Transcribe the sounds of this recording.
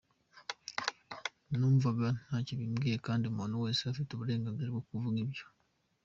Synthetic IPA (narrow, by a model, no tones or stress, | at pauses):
nuɱvaβanaciβimɡekaːndimonowesafitoβuɾeːŋɡaɡeɾwokuvuɡiβjo